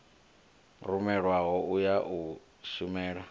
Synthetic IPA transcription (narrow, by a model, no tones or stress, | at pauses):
rumɛɺwaɦɔujaʔu | sumɛːɺa